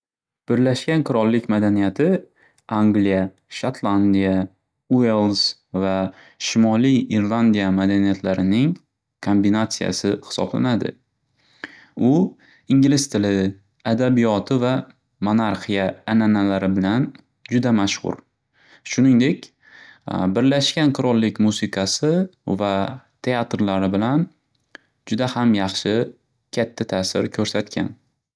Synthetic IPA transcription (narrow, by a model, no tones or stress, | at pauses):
b̥ɪɾlaʃkʲanqʰʊɾɒlˠːɪkʲmad̪anijat̪ʰɪ | aŋɡlija | ʃat̪ʰlˠand̪ija | uelˠs | va | ʃɪmɒlˠijiɾlˠand̪ijamad̪anijat̪laɾɪnɪŋ | kʰombinat̪sija̰sɪhɪ̥sɒ̰bla̰nad̪ɪ̰ | ʊ | ɪŋɡʲlɪst̪ʰɪlɪ | ad̪abijɒt̪ʰɪva | monaɾqijaːnanalaɾɪbɪlan | d͡ʒʊd̪amaʃhʊ̰ɾ | ʃʊnɪŋd̪e̞kʲ | bɪɾlaʃkʲanqʰʊɾɒlˠːɪkʲmusɪqʰɑsɪvat̪ʰe̞at̪ɾlaɾɪbɪlan | d͡ʒʊd̪ahamjɑχʃɪ | kʲʰat̪ʰːat̪ʰasɪ̰ɾkʲʰɵɾsat̪kʲʰa̰n